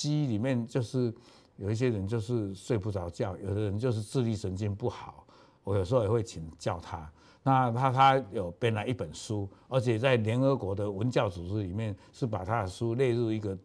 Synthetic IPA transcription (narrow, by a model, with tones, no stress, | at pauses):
ɕi˥li˨˩mjɛ˥˧nt͡ɕjo˥˧ʊʂɻ̩˥˩ | jo˨˩ʊi˥˩ɕ̬jɛ˥ɻə˧˦nt͡ɕjo˥˧ʊʂɻ̩˥˧swe˥˧ɪpu˥˩t͡sɑ˧˥ʊt͡ɕjɑ˥˩ʊjo˨˩ʊd̪ə˦ɻə˧˦nt͡ɕjo˥˧ʊʂ̬ɻ̩˥˧ʈ͡ʂɻ̩˥˧li˥˩ʂə˧˦nt͡ɕi˥npu˥˩xɑ˨˩˦ʊ | wɔ˧˦jo˨˩ʂ̩˧˥xo˥˧ɛ˨˩we˥˩ɪt͡ɕʰi˨˩ŋt͡ɕjɑ˥˩ʊt̪ʰa˦˥ | na˥˩t̪ʰa˥t̪ʰa˦jo˨˩ʊpjɛ˥˩nla˧˦i˥˩pə˨˩nʂu˦ə˞˧˥t͡ɕʰjɛ˨˩t͡sa˥˩ɪljɛ˧˥nə˧˥kwɔ˧˥d̪ə˧wə˧˦nt͡ɕjɑ˥˩ʊt͡su˨˩ʈ͡ʂɻ̩˧˥li˨˩mjɛ˥˨n | ʂɻ̩˥˩pa˨˩t̪ʰa˥d̪ə˨ʂu˥le˥˧ɪɻu˥˧i˧˥ɡə˨